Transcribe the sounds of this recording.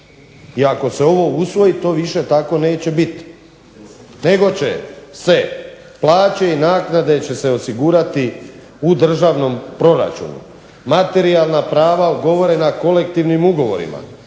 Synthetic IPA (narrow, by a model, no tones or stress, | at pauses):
iako̞se̞o̞ʋo̞usʋo̞jit̪o̞ːʋiʃe̞t̪ako̞ne̞ːt͡ɕe̞bit̪ | ne̞ɡo̞t͡ɕe̞̰se̞ | plˠaːt͡ɕe̞inaːknad̪e̞t͡ɕe̞se̞o̞siɡuːɾat̪i | ud̪r̩ʒaːʋno̞mpɾo̞ɾa̰t͡ʃṵnṵ | mat̪e̞ɾialˠnapɾaːʋauɡo̞ʋo̞ɾe̞nako̞le̞k̚t̪iʋnimuɡo̞ʋo̞̰ɾḭma̰